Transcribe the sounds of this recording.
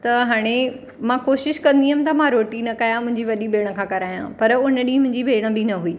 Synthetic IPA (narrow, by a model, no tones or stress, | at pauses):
t̪ɐɦaːɽ̃e | mãkoːʃɪʃkɐ̃nd̪iɦɐmɪ̃̆t̪ɐmãɾoːʈinɐkɐjãmʊ̃ɦɪ̃ɲd͡ʑiʋɐɗibeːɽ̃ə̆kʰãːkɐɾaːjã̰pɐɾʊnəɗimʊ̃ɦɪ̃ɲd͡ʑibʱeːɽ̃ə̆bɪnɐɦuiː